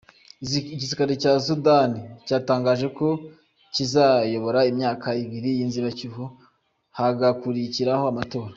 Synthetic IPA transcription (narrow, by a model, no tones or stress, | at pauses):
cisikaɾicas̬udanicaːtaːŋɡaːʒe̞ko̞ | cizajo̞βo̞ɾaimɲaːkaiβiɾijinziɾacuɦu | haɡakuɾiciɾaho̞amato̞ːɾa